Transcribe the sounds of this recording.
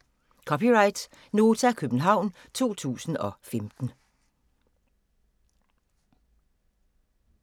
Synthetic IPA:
kʰɒ̽piʁɑ̈ɪd̥ | no̝ːt͡sʰækʰøb̥n̩ɦɑ̈ʊ̰n | t͡sʰo̝̰ːt͡sʰṵːsn̩ɒ̽femd̥n̩

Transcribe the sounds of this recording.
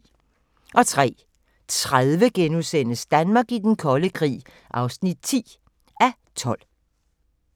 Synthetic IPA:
ʔɒ̽t͡sʰʁɛ̰ː | t͡sʰʁaðˠʋəɡ̥enusen̰əsd̥ænmɑ̈ːɡ̥id̥enkʰɒ̽ləkʰʁḭː | ʔɑ̈ʊsnid̥̚t͡sʰḭː | æ | t͡sʰɒ̽l̰

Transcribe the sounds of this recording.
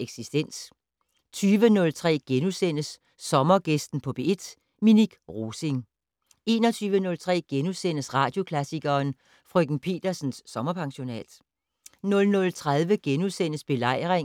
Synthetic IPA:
eɡ̥sisd̥en̰s | t͡sʰyːʋənɔ̽lt͡sʰʁɛ̰ːɡ̥enusen̰əsː | ɒ̽mɐɡ̥esd̥n̩pʰɒ̽b̥e̝ed̥ | miniɡ̥ʁo̝ːse̝ŋ | e̝ːnɒ̽t͡sʰyːʋənɔ̽lt͡sʰʁɛ̰ːɡ̥enusen̰əsʁɑ̈ːd̥jo̝kʰlæsiɡ̥ɐːn | fʁœɡ̥n̩pʰe̝̰ːd̥ɐsn̩sːɒ̽mɐpʰɑ̈ŋɕo̝nɛ̰ːd̥ | nɔ̽lnɔ̽lt͡sʰʁaðˠʋəɡ̥enusen̰əsb̥e̝lɑ̈ɪ̰ʁeŋ

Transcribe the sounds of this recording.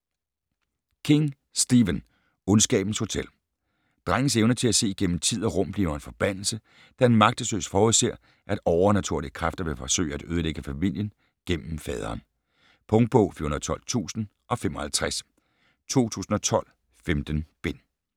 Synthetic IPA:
kʰe̝ŋ | sd̥iʋən | ɔ̽nsɡ̥ɛ̰ːb̥n̩sho̝t͡sʰel̰ | d̥ʁaŋ̰əseʊnət͡sʰe̝læse̝̰ːɡ̥en̰m̩t͡sʰið̞̰ˠɒʁɔ̽m̰b̥liʊɐenfɒ̽b̥æn̰l̩sə | d̥æe̝nmɑ̈ɡ̥̚d̥əsø̰ːsfɒːuðˠse̝ɐ̰ | ʔæd̥ɒʊɐnæt͡sʰuɐliəkʰʁafd̥ɐʋe̝fɒ̽sø̰ɪ̰æɾ̥øð̞ˠəleɡ̥əfæmil̰jən | ɡ̥en̰m̩fɛːð̞ˠɐ̰ːn | pʰɔ̽ŋd̥̚b̥ɔʊfḭɐunɐð̩ˠt͡sʰɒ̽lt͡sʰṵːsn̩ | ʔɒ̽fem̰ɒ̽hælt͡sʰʁas | t͡sʰo̝̰ːt͡sʰṵːsn̩ɒ̽t͡sʰɒ̽l̰ | femd̥ən̩b̥e̝n

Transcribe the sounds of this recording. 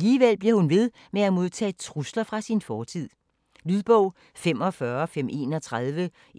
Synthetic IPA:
liːʋel̰b̥liɐhunʋe̝ð̞ˠ | meæmo̝ð̞ˠt͡sʰɛ̰ːt͡sʰʁuslɐfʁɑ̈sinfɒːt͡sʰið̞̰ˠ | lyð̞ˠb̥ɔʊ̰ | fem̰ɒ̽fɶɐfem̰ʔe̝ːnɒ̽t͡sʰʁaðˠʋə

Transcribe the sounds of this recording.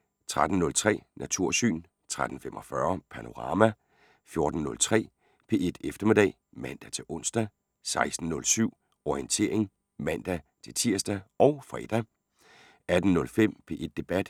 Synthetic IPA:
t͡sʰʁad̥n̩nɔ̽lt͡sʰʁɛ̰ːnʔæt͡sʰuɐ̰sy̰ːn | t͡sʰʁad̥n̩femʔɒ̽fɶɐpʰɑno̝ʁɑ̈mæ | fjo̝ɐd̥n̩nɔ̽lt͡sʰʁɛ̰ː | pʰe̝e̝d̥efd̥ɐme̝d̥ɛ̰ː | mæn̰d̥æt͡sʰe̝lʔɔ̽n̰sd̥æ | sɑ̈ɪsd̥n̩ːɔ̽lsyʊ̰ | ɒient͡sʰe̝ɐ̰e̝ŋ | mæn̰d̥æt͡sʰe̝lt͡sʰiɐsd̥æɒ̽ʊfʁɛ̰ːd̥æ | æd̥n̩nɔ̽lfem̰pʰe̝ʔe̝d̥ːe̝b̥æd̥

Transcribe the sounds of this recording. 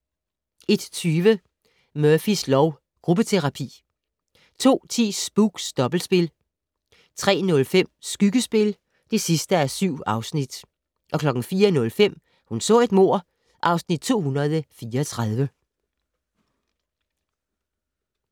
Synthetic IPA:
e̝d̥t͡sʰyːʋə | mœɐfislɒʊ | ɡ̥ʁub̥ət͡sʰe̝ʁɑ̈pʰḭː | t͡sʰo̝̰ːt͡sʰḭːsb̥uɡ̥sd̥ɒ̽b̥l̩sb̥e̝l | t͡sʰʁɛ̰ːnɔ̽lfem̰sɡ̥yɡ̥əsb̥e̝l | d̥e̝sisd̥əæɐsyʊ̰ɑ̈ʊsnid̥ | ʔɒ̽kʰlɒ̽ɡ̥ŋ̩fiːɐnɔ̽lfem̰ | hunsɔ̰̽ːe̝d̥mo̝ɐ̰ | ʔɑ̈ʊsnid̥̚t͡sʰo̝̰ːhunɐð̩ˠəfiːɐːt͡sʰʁɑð̞ˠʋə

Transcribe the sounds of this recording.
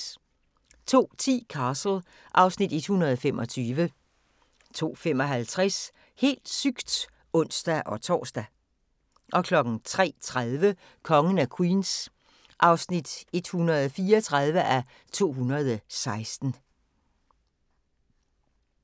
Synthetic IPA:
t͡sʰo̝̰ːt͡sʰḭːkʰɑ̈ːsl̩ | ʔɑ̈ʊsnid̥e̝d̥hunɐð̞ˠɒfemʔɒ̽t͡sʰyːʋə | t͡sʰo̝̰ːfem̰ɒ̽ɦælt͡sʰʁas | he̝̰ːld̥syɡ̥d̥ | ɔ̽n̰sd̥æʔɒ̽t͡sʰɒ̰ːsd̥æ | ʔɒ̽kʰlɒ̽ɡ̥n̩t͡sʰʁɛ̰ːt͡sʰʁaðˠʋə | kʰɒ̽ŋən̩ækʰwiːns | ʔɑ̈ʊsnid̥e̝d̥hunɐð̞̩ˠfiːɐɒt͡sʰʁaðˠʋəʔæ | t͡sʰo̝̰ːɦunɐð̞ˠsɑ̈ɪsd̥n̩

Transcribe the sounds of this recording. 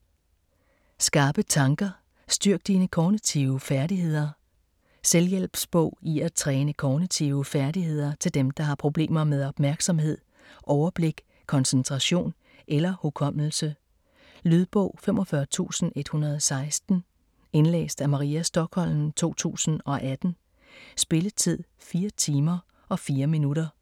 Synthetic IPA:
sɡ̥ɑ̈ːb̥ət͡sʰɑ̈ŋɡ̥ɐ | sd̥yɐɡ̥̚d̥iːnəkʰɒːnit͡sʰiʊəfæɐd̥iɦe̝ð̞̰ˠɐ | seljel̰b̥sb̥ɔ̽ʊ̰iæt͡sʰʁɛːnəkʰɒːnit͡sʰiʊəfæɐdihe̝ð̞̰ˠɐt͡sʰe̝ld̥emd̥ɑ̈ɦɑ̈pʰʁo̝b̥le̝̰ːmɐmeð̞ˠɒ̽b̥mæɐɡ̥sɒ̽mhe̝ð̞̰ˠ | ʔɒʊɐb̥le̝ɡ̥ | kʰɒ̽nsənt͡sʰʁɑ̈ɕo̝̰ːn | ʔelɐhokʰɒ̽m̰l̩sə | lyðˠb̥ɔ̰̽ʊ̰femʔɒ̽fɶɐt͡sʰṵːsn̩e̝d̥hunɐð̞ˠɒsɑ̈ɪsd̥n̩ | e̝nlḛːsd̥æmɑ̈ʁiæsd̥ɒ̽ɡ̥hɒ̽l̰n̩t͡sʰo̝̰ːt͡sʰṵːsn̩ɒ̽ʔæd̥n̩ | sb̥e̝lət͡sʰið̰ˠfiːɐt͡sʰiːmɐ | ɒ̽fiːɐminuɾɐ

